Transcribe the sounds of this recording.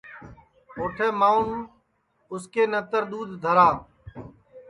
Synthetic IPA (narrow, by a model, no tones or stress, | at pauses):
oːʈʰeːmaːʊn | ʊskeːnət̪əɾd̪uːd̪d̪ʱəɾaː